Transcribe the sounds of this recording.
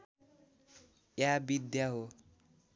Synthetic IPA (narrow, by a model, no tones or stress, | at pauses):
jabid̪jaɦo